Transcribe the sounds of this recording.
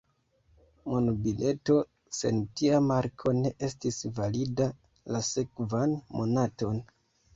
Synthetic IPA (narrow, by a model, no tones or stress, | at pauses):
monubilʔe̞to̞ | se̞̰ntiamaɾkʰo̞ne̞ʔe̞stisvalida | lase̞kvanmo̞nato̞n